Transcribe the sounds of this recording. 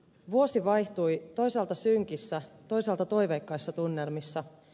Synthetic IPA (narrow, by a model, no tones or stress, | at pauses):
ʋuo̞siʋɑjçt̪ujt̪o̞jsɑlt̪ɑsyŋkisːæt̪o̞jsɑlt̪ɑt̪o̞jʋekːɑjsːɑt̪unːe̞lmisːɑ